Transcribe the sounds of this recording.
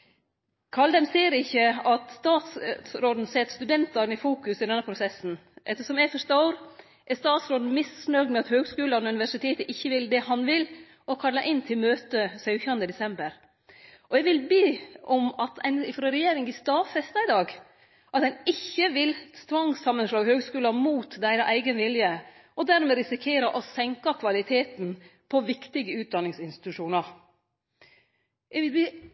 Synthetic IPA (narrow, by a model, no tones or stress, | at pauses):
kʰɑld̪ɛmsiːəɾɪçːəɑt̪st̪ɑːt̪ssɾoːd̪n̩sɛt̪st̪ʉd̪ɛnt̪ɑɾnɪfuːkʉsɪd̪ɛnːəpʰɾʊsɛsn̩ʔɛt̪ːəʂɔmɛæfœʂt̪ɑoːɾ | ʔɛst̪ɑːt̪sɾoːd̪n̩mɪsnœd̪mɛɑt̪høːɡskʉːlɑn̩ʉnɪʋæʂɪt̪ʰeːt̪əʔɪçːəʋɪld̪ɛhɑnʋɪl | ɔkʰɑlːɑʔɪnːt̪ʰɪlmøːt̪əsœʉçɑnd̪əd̪ɛsɛmbəɾ | ʔɔɛɡʋɪlbeːʔɔmɑt̪ʰɛ̰ɪnɪfɾoːɾɛjeːɾɪŋɪst̪ɑːfɛst̪ɑɪd̪ɑːɡ | ʔɑt̪ɛnɪçːəʋɪlsʰʋɑŋsɑmːənʂlɑːɡhøːɡskʉːlɑmuːt̪d̪æɪɾɑʔæɪɡənʋɪljə | ʔɔd̪æɾmeːɾɪsɪkʰeːɾɑʔɔsɛŋkɑkʰʋɑlɪt̪ʰeːt̪npʰɔʋɪkt̪ɪɡəʉːt̪̚d̪ɑnːɪŋsɪnst̪ɪt̪ʉʂuːnɑɾ | ɛɡʋɪlbeː